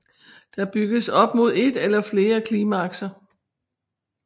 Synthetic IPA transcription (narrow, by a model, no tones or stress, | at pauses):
d̥ɑ̈b̥yɡ̥əsɒ̽b̥mo̝ð̞ˠe̝d̥elɐfle̝ːɐkʰliːmæɑ̈ɡ̥sɐ